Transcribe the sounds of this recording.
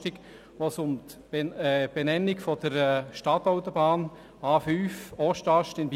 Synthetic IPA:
tik | ʋosʊmt | ɛb̥enɛnːikfɔd̥əɾɛʃtɑt̪ɔʊt̪ɔbɑːn | ɑːfyːfɔʃtɑʃtɪnb

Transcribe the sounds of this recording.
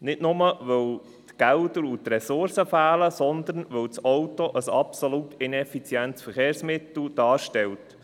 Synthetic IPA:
nɪtnʊməʋœw | t̪ɡ̥æʊd̪əɾʊt̪rɛsʊɾsəfæːləsɔnd̪ənʋɵlt͡sɔwtoʔəsɑpsolutɪnɛfit͡sjɛnt̪sfəɾχeːɾsmɪt̪l̩d̥ɑːʃtɛlt

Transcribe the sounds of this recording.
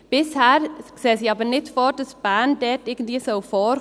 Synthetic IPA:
b̥ɪshæːɾseːsjɑbənɪt̪fɔɾd̪əsbæːnd̪eːt̪ɪːɡən̩t̪lisoʊfɔɾ

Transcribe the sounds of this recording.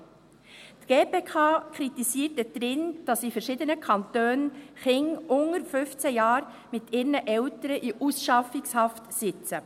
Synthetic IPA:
tɡ̥eːpeːkʰɑːkʰɾitisiːtɛd̥ɾɪnd̥ɑsifɛɾʃiːdənəkʰɑntøːnχɪŋʊŋəɾfʏft͡sɛjɑːɾ | mɪtɪːɾnəʔɛwtəɾəʔiʔusʃɑfɪkshɑftsɪt͡sə

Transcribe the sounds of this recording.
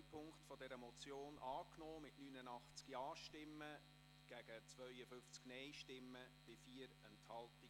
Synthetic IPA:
pʰʊŋktfɔdɛɾəmɔt͡sjoːnʔɑːknɔːmɪtnyːnənɑχt͡skiɑːʃtɪmːə | ɡ̥æɡ̥ət͡sʋœʏəfʏft͡sknɛjʃtɪmːəb̥ɪfiːəɾɛnthɑlti

